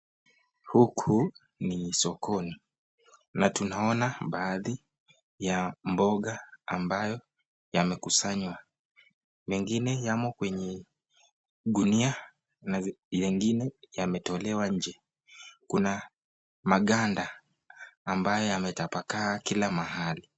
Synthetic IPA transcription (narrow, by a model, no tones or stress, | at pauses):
hukʰu | nisɔkʰɔni | natunaɔnaɓaːði | jambɔɠaːmbajɔ | jamɛkusaɲwa | mɛŋɡinɛjamɔkwɛɲɛ | ɗunia | najɛŋɡinɛjamɛtɔlɛwaɲ̩d͡ʒɛ | kuna | maɠandaː | mbajɔjamɛtapakaːkilamahali